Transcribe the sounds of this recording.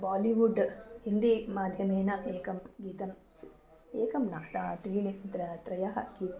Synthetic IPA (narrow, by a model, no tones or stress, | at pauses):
baːliʋuɖind̪imaːd̪ʱjɐmeːnɐʔeːkɐmɡiːt̪ɐm | s | eːkɐmnat̪at̪ɾiːnit̪ɾɐt̪ɾɐjɐɦɐ̰ɡiːt̪